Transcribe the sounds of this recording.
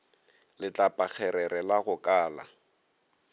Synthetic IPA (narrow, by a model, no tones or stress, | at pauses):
lɪt͡ɬʼapʼak͡xʰɛɾɛɾɛlaɣʊkʼaːla̰